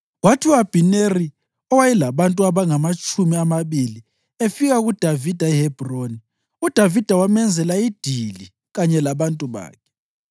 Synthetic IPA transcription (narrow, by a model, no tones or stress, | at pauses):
ɣwatʰiuab̥ʱineri | ɔwajɛlaβantʼuaβaŋamat͡ʃʼumiamaβili | efiɣaɣud̥ʱavid̥ʱaɛhɛb̥ʱroni | ud̥ʱavid̥ʱawamɛnd͡zʱɛlaid̥ʱili | ɣaɲɛlaβantʼuβa̰ːkʰɛ̥